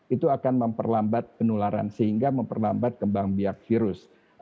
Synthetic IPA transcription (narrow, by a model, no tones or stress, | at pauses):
it̪uakanməmpə̰rlambat̪̚pənulaɾa̰nsəhiŋɡaməmpərlambat̪̚kəmbaŋbiak̚fiɾʊs